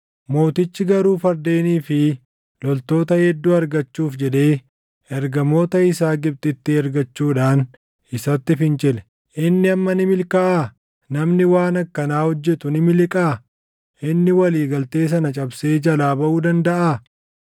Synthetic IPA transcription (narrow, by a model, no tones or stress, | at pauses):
mo̞ːt̪ɪt͡ʃːɪɡɐɾuːfɐɾd̪e̞ːniːfɪ | lɔlt̪o̞ːt̪ɐhɛd̪ːuːɐɾɡɐt͡ʃːuːfd͡ʒɛᶑ̪e̞ː | ɛɾɡɐmo̞ːt̪ɐɪsaːɡɪb̚t̪ʼɪt̪ːɪɛɾɡɐt͡ʃːuːᶑaːn | ɪsɐt̪ːɪfɪnt͡ʃʼɪlɛ̥ | ʔɪnːɪɐmːɐnɪmɪlkɐʔaː | nɐmnɪwaːnɐkːɐnaːhɔd͡ʒːɛt̪ʊnɪmɪlɪkʼaː | ʔɪnːɪwɐliːɡɐlt̪e̞ːs̬ɐnɐt͡ʃʼɐbseːd͡ʒɐlaːbɐʔuːd̪ɐnd̪ɐʔaː